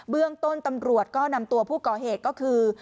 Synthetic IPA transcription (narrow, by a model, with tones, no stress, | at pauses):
bɯ˥˩əŋt̪o˥˩nt̪a˧mɾu˨˩ət̪̚kɔː˥˩na˧mt̪u˧ɐpʰuː˥˩kɔː˨˩ɦeː˨˩t̪̚kɔː˥˩kʰɯː˧